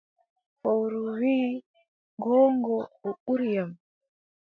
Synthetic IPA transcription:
fowɾuwiː | ɡɔːŋɡɔɔɓuɾjam

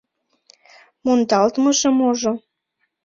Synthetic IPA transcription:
mont̪ɑlt̪məʃəmoʒo

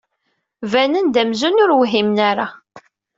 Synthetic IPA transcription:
vænənd̪æmzunʊɾwɦimnaɾa

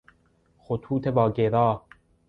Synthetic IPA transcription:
xot̪ʰuːt̪ʰebɒːɟeɾɒː

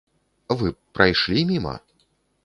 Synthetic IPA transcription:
vɨpɾajʂlʲimʲimɐ̰

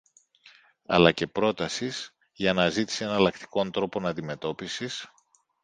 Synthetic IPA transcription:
ɐ̰lɐce̞pɾo̞t̪ɐsis | ʝɐnɐzit̪i̥sie̞nɐɐlɐkt̪i̥ko̞nt̪ɾo̞po̞nɐnd̪ime̞t̪o̞pisis

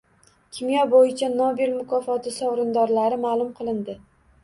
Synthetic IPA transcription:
kʲʰɪmjɒbojɪt͡ʃʰanobɪlmʊkʰɒfɒt̪ʰɪsɒwɾɪnd̪ɒɾlaɾɪmaːlˠʊmqʰɨlˠɪnd̪ɪ

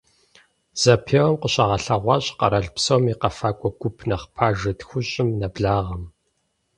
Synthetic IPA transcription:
z̥ɐpʰeːwɐmqəɕɐʁɐɬɐʁʷɑɕʼqɐɾɐɮpsowmiqɐfaːkʷʼɔɡʷʊpʰnɐχpʰaːʒɐtxʷʊɕʼɪmnɐbɮaːʁɐm

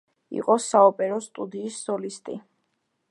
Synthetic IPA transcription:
ḭqʼɔsaɔpʼɛɾɔst̪ʼud̪iːsːɔlist̪ʼi

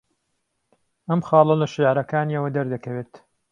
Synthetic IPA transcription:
ʔɐmxɑːlɐlɐʃiʕɾɐkaːniɐwɐd̪ɐɾd̪ɐkɐweːt̪

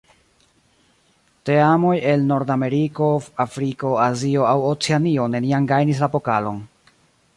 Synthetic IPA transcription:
te̞amo̞je̞lno̞ɾdame̞ɾiko̞afɾiko̞azio̞awot͡seanio̞ne̞niaŋɡajnis̬lapo̞kalo̞̰n

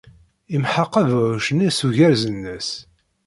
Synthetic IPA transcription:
imħəqːəvʕʃənisuʝæɾzənːəs

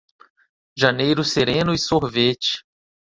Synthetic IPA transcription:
ʒɐnejɾʊseɾẽnʊɪsoɦvet͡ʃɪ̥

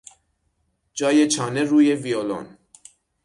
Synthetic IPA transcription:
d͡ʒɒːjet͡ʃʰɒːneɾuːjeviolo̰n

